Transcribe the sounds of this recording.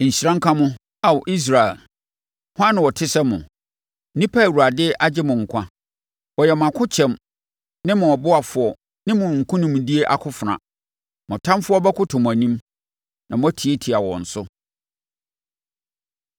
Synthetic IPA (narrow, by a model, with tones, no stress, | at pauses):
ɲ̩˨ɕi˨ɾã˦ŋ̩˦kʰã˦mʊ̃˦ | a˨wʔi˦s̬ɾa˨ɛ̰˨l | hʊ˦ã˦nʊ̃˨wɔ˨tʰɪ˦sɛ˦mʊ̰̃˨ | nĩ˦pʰa˦˨wu˨ɾa˨dɪ˦ʔa˦d͡ʑɪ˦mʊ̃˨ŋ̩˨kʷʰã˦ | wɔ˨jɛ˨mʊ̃˨a˨kʰʊ˦t͡ɕʰɛ̃˨m | nɪ̃˦mʊ̃˨ɔ˨bʊ˦a˨fʊ˨ɔ˨ | nɪ̃˦mʊ̃˨ŋ̩˨kʰʊ̃˦nɪ̃˨mʊ̃˨di˦e˦ʔa̰˨kʰʊ˦fʊ˨nã̰˨ | mɔ̃˨tʰã˦mfʊ˦ɔ˦bɛ˦kʰʊ˦tʰʊ̃˨m˨a˨nĩ˦m | nã˨m̃˦ɔ˦tʰi˨e˦tʰi˨a˨wɔ̰̃˨n̩˨sʊ˦